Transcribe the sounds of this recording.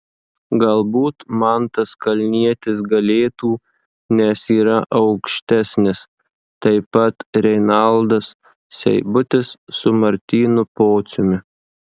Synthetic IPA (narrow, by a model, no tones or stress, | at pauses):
ɡɐlˠbuːt̪mɐnt̪ɐskɐlʲnʲiɛt̪ʲɪsɡɐlʲeːt̪uː | nʲɛsiːɾɐʔɐʊkʃʲt̪ʲæsʲnʲɪs | t̪ɐɪpɐt̪ɾʲɛɪnɐlˠd̪ɐsːʲ | ɛ̰ɪbʊt̪ʲɪsːʊmɐɾʲt̪ʲiːnʊpoːt̪sʲʊmʲɪ